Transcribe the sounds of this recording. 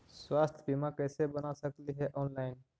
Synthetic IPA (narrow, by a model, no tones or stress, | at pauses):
swaːst̪ʰəbimãkɛsebənasəkliɦɛʔɔːnlaɪn